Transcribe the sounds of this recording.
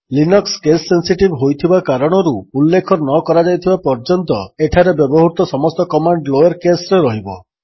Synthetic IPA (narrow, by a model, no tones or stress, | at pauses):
linɔkskesːensiʈibɦojt̪ʰibakaɾɔɽ̃ɔɾuːlːekʰɔnɔkɔɾad͡ʒajt̪ʰibapɔɾd͡ʒɔnt̪ɔeʈʰaɾebjɔbɔɦuɾut̪ɔsɔmɔst̪ɔkɔmaɳɖloeɾkesɔɾeɾɔɦibɔ